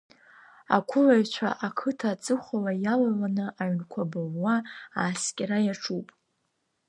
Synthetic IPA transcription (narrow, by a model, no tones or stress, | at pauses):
a̰kʷʰʊlaɥt͡ʃʷʰa̰ʔakʰɨtʰat͡sʼɨχʷalajalalanɨʔaɥnkʷʰabɨlwaaːskʲʼɾajaʈ͡ʂʰupʼ